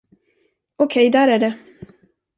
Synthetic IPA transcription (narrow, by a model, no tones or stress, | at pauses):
ɔkʰɛjd̪æːɾæɖɛ